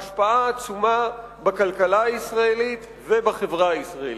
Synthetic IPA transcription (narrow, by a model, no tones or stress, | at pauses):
ʃpaaːt͡suma | bakalkalaːisʁaelit̪ | vebaχevʁaisʁael